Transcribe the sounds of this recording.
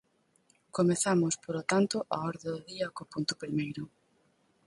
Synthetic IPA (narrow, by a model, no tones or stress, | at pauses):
komeθamʊspoɾot̪ant̪ʊʔa̰ɔɾðɪðoðiɐkopunt̪ʊpɾimejɾʊ